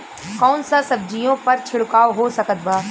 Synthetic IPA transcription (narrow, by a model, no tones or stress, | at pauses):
kɔːnsãsɐb̚d͡ʑijõpɐɾt͡ʃʰɪɽkaːoɦoːsɐkət̪̚baː